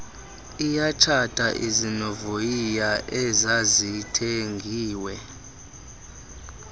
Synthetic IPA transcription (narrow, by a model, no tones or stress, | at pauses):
ijat͡ʃʰatʼa̰ʔizinɔvojijaʔɛzazitʰeŋɡʱiːwɛ